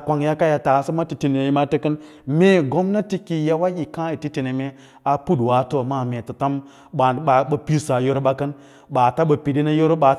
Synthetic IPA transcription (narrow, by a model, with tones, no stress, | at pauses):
kʷa˨ŋja˦ka˦ja˨ta˨sə˦ma˦ti˨ti˨ne˨ji˦ma˦te˦kə˦n | me˦˨ɡo˦mna˦ti˦ki˨ja˦wa˦ji˨kã˦i˨ti˦ti˨ne˨me˦ | a˨pu˦dwa˨˦to˦˨ma˦˨me˨tə˨ta˦m | ɓa˨˦a˨ɓə˨pi˦sa˨jo˦ɾɓa˦kə˦n | ɓa˨ta˦ɓə˨pi˨di˦na˦jo˦ɾo˦ɓa˨